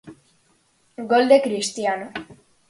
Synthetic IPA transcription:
ɡold̪ekɾist̪iano

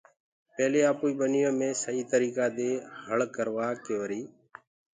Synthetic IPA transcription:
peːleːaːpuːiːɓənɪjõːmẽːsəɦiːt̪əɾiːkaːd̪eːɦəɭkəɾʋaːkeːʋəɾiː

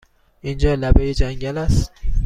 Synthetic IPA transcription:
ʔind͡ʒɒːlæbejed͡ʒæŋɟælæst̪

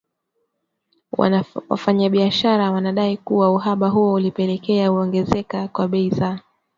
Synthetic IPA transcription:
w̰wa̰faɲaɓiaʃaɾawanaɗaikuwauɦaɓaɦuɔulipɛlɛkɛauɔŋɡɛzɛkakwaɓɛiza

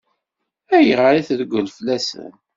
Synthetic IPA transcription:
æjəʁaɾiθðɡʷəlflæsə̰n

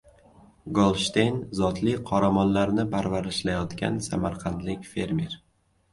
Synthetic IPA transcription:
ɡolˠʃt̪ejnzɒt̪lɪqʰɒɾamɒnlaɾnɪpʰaɾvaɾɪʃlajɒt̪kʲa̰nsamaɾqʰɑnd̪lɪkʲfe̞ɾmeɾ

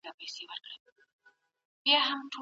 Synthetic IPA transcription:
ɡapajsewəɾkɽə | bjɑɦamʈʰo

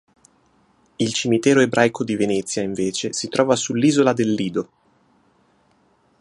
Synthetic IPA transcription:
ilt͡ʃimit̪ɛːɾoebɾʔajkʰod̪ivenɛt̪sːjaiɱveːt͡ʃesit̪ɾʔɔːvasulːiːzolad̪elːiːd̪o

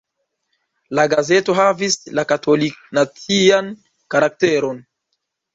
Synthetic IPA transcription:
laɡaze̞to̞ɦavislakatʰolik̚nat͡sian | kaɾak̚teɾon

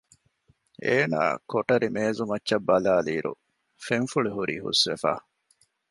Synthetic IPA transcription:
eːna̰ːkoʈɐɾimeːzumɐtːʃɐbːɐlaːliːɾṵ | feɱfuɭiɦuɾḭːhṵsʋefa̰ː

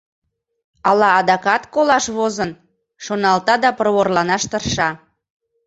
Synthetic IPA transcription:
ɑlɑːd̪ɑkɑt̪kolɑʃβozən | ʃonɑlt̪ɑd̪ɑpərβorlɑnɑʃt̪ərʃɑ

